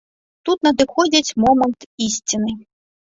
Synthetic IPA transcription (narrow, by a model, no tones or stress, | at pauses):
t̪ut̪nɐd̪ɨxɔd͡zʲit͡sʲmɔmɐnt̪isʲt͡sʲinɨ